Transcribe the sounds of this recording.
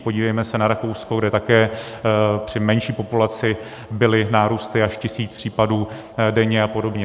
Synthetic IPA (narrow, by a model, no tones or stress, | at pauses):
poɟiːvɛjmɛsɛnaɾako̞wsko̞ɡdɛt̪akɛː | pr̝̥ɪmɛnʃiːpo̞pulat͡sɪ | bɪlɪnaːɾuːst̪ɪaʃcɪsiːt͡spr̝̥iːpaduː | dɛɲɛapo̞do̞bɲɛ